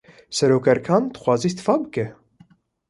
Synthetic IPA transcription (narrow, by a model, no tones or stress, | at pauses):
sɛɾoːkɛɾkʰɑːnd̪ɨ̥xʷwɑːziːst̪ɨ̥fɑːbɨkɛ